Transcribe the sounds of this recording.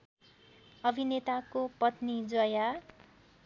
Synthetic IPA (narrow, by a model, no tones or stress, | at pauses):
ʌbʱinet̪akopʌt̪nid͡zʌja